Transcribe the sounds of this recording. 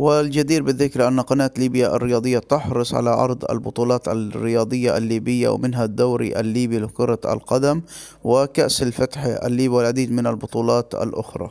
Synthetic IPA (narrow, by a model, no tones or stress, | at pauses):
wɪld͡ʒad̪iːɾbɪðɪkɾʔanːaqɑnaːt̪liːbjaʔa̰rːɪjɑːd̪ˤɨjːat̪ʊħɾɨsˤʕa̰laʕɑ̰ɾˤd̪ˤa̰lbʊt̪ˤuːlɑːt̪arːɪjɑːd̪ˤɨjːaʔalːiːbɪjːa̰w̰mɪnɦad̪ːaːɾḭʔa̰lːiːbilqʊɾˤɑa̰lqad̪am | wɪkaʔsalfat̪ħa̰lːiːbiwɪlʕad̪iːd̪mɪnalbʊt̪ˤuːlɑːt̪a̰lʔʊxɾˤɑ̰ː